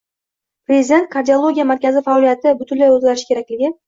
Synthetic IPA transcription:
pɾʲezʲɪd̪e̞nt̪̚kʰaɾd̪ʲiolˠo̞ɡʲijamaɾkʲazɪfaɒlijat̪ʰɪbʊt̪ʰʊnlajɵzɡʲaɾɪʃkʲe̞ɾakʲlɪɡʲɪ

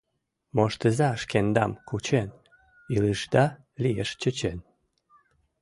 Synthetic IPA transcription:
moʃt̪əzɑəʃkend̪ɑmkut͡ɕen | iləʃd̪ɑ | lijeʃt͡ɕət͡ɕen

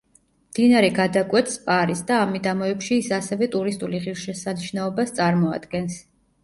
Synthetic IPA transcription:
md̪̥inaɾɛɡad̪akʼwɛt̪ʰspʼaɾisd̪aːmid̪amɔɛpʃiːsasɛvɛt̪ʼuɾist̪ʼuliʁiɾʃɛsaniʃnaɔbast̪sʼaɾmɔa̰d̪ɡɛns

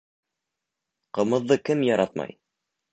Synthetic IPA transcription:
qɤ̆mɤ̆ðːɤkɘmjɑɾɑt̪mɑ̰j

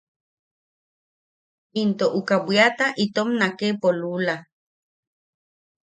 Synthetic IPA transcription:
int̪oʔukawiat̪aʔit̪omnakepolula

